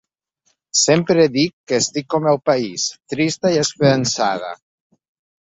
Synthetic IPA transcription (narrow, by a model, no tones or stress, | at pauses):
sempɾeðikːeːst̪ikːomewpaist̪ɾist̪aiespeɾansað̞a̰